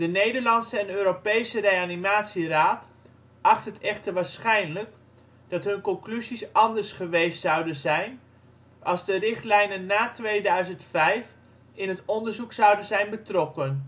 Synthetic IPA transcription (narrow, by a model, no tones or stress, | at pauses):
d̥ənejdəɹlɑntsəɛnøːɾopejsərejanimaːtsiraːt | ʔɑχtɦətɛχtəɹʋaːɹsχɛjnlək | d̥ɑtɦɵnkɔŋklyzisɑndəɹsχəʋejstsʌwdənzɛjn | ʔɑlˠzdərɪχtlɛjnənːaːtʋejdœɥzəntfɛjf | ɪnɦətɔndəɹzuksɑwdənzɛjnbətrɔkən